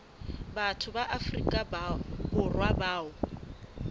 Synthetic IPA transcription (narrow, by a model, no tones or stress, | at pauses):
batʰʊbaʔafrḭkʼababʊrwabaːʊ